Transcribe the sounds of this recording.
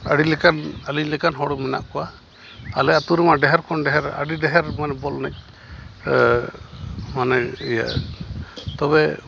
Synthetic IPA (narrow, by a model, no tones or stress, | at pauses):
əɽilɛkanaliɲlɛkanɦɔɽumɛna̰ʔkɔwaː | lɛʔat̪uɾɛmaɖɛɦɛɾkʰɔnɖɛɦɛɾə̰ɖiɖɛɦɛɾmanɛbɔlnɛc̚ | manɛija̰ | t̪ɔbɛ